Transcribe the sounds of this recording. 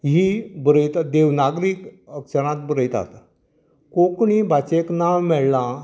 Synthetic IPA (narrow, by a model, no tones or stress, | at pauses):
ɦibəɾəjt̪ad̪eʋnaɡɾiːkəkʂəɾ̃ãt̪̚bəɾəjt̪a̰t̪ | kokɳiːbʱat͡ɕeknawmɛɭlã